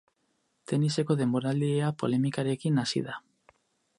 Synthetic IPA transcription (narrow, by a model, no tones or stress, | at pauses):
t̪e̞nise̞ko̞ðe̞mbo̞ɾald̪ieapo̞̰le̞mikaɾe̞kinasḭða